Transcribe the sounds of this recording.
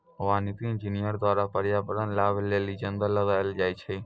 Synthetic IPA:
ʊʋaːnit̪iːnd͡ʒiːnijəɾd̪ʋaːɾapəɾjaːpəɾənlaːbleːliːd͡ʒənd̪ələd̪aəld͡ʒaːit͡ʃʰeː

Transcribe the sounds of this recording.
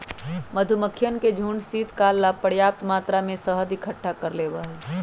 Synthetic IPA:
məd̪ʱuməkʰːjənked͡ʒʱuɳɖsit̪kaːlːapəɽjaːp̚t̪maːt̪ɾamẽsəɦəd̪ikʰəʈʰːakəɾleːbəɦɛ

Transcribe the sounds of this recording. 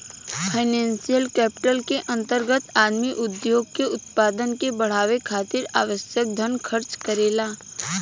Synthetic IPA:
pʰaɪnɛ̃ːnsijəlkɛːpɪ̥ʈəlkeʔɐ̃nt̪əɾɡət̪aːd̪miʔʊd̪joːɡ̚keʊt̪̚paːd̪ənkebəɽ̤aːʋekʰaːt̪ɪɾaːʋəʃjək̚d̪ʱənkʰəɾt͡ʃkəɾeːlaː

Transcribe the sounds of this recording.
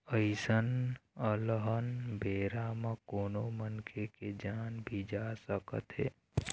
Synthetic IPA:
əɪsənələɦənbʱeːɾamãkoːnomənkʰeked͡ʒaːnbʱid͡ʒasəkə̰t̪ɦḛː

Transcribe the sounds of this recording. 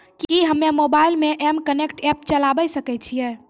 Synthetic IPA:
kiɦəmːemobailmeʔɛmkənekʈɛp̚t͡ʃəlabəsəkɛt͡ʃʰijɛ

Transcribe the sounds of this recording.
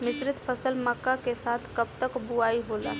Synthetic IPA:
mɪsɾɪt̪pʰəsəlmakːakesaːt̪ʰkəb̚t̪əkbuaːiɦola̰

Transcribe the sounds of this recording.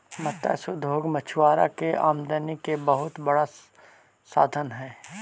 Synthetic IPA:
mɐt̪ːa̰sʊd̪ʱoːɡmət͡ʃʰwaːɾa̰keʔaːmd̪ənikebəɦʊt̪bɐɽa | saːd̪ʱənɦɛ̃ː

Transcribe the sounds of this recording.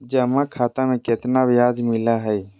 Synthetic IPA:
d͡ʒəmakʰaːt̪amẽkɪt̪naʋjaːd͡ʒmɪlaɦəj

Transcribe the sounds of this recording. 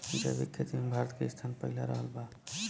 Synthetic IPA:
d͡ʒa̰bikʰːjət̪inbʱaɾət̪keist̪ʰanpəɦlaɾəɦəlba

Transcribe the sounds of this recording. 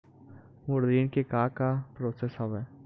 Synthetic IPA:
moːɾd̪iːnkekaːkapɾoːsesɦɐʋɛː

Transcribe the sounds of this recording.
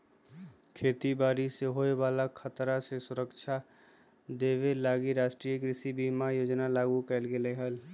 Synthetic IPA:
kʰeːt̪ibaːɾiseɦoːewaːlakʰət̪ɾasesʊɾəkʃʰa | d̪eːʋelaːɡiɾaːʃʈɾiːekɾɪsibimajoːd͡ʒnalaːɡukɛlɡeleɦəl

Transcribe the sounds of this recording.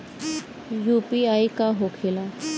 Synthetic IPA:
juːpiaikaɦokʰela

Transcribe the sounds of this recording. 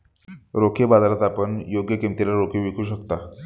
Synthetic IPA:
ɾokʰebad̪aɾat̪apəɳjoɡjəkimt̪elaɾokʰeʋikʰuːɕəkt̪a

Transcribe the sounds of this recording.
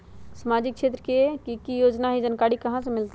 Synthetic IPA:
səmad͡ʒɪkʃeːt̪ɾəkekikijoːd͡ʒnaɦid͡ʒənkaɽikɐɦãs̬emɪlt̪e

